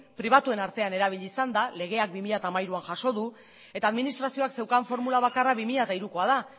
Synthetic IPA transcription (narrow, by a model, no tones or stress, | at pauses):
pɾiβ̞at̪ue̞naɾt̪e̞ane̞ɾaβ̞iʎisand̪ale̞ɣ̞e̞ak̚bimiʎat̪aːmajɾuanʝaʃo̞ðu | e̞t̪aːðminist̪ɾasio̞akse̞wkaɱfo̞ɾmulaβ̞akaraβimiʎat̪aiɾuko̞að̞a